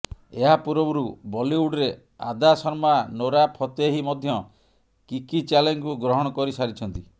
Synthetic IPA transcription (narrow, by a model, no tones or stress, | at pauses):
eɦapuɾɔbɔɾubɔliwuɖɾe | a̰d̪asɔɾmanoɾapʰɔt̪eɦimɔd̪ʱjɔ | kikit͡ʃaleŋkuɡɾɔɦɔɽ̃ɔkɔɾisaɾit͡ʃʰɔnt̪i